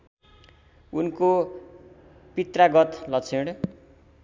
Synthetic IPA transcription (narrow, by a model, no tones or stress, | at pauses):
unko | pit̪raɡʌt̪lʌt͡sʰeɽ